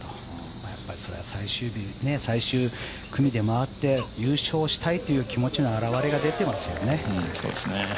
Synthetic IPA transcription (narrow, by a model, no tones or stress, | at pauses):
o | majapːaɾʲiso̞ɾe̞asaiɕɨːbʲine̞saiɕɨː | kɯ̟mʲid̪e̞maβat̪ːe̞jɯːɕo̞ːɕi̥t̪ait̪o̞jɯ̟ːkʲimo̞t͡ɕino̞aɾaβaɾe̞ɡad̪e̞t̪e̞masɨjo̞ne̞soːd̪esne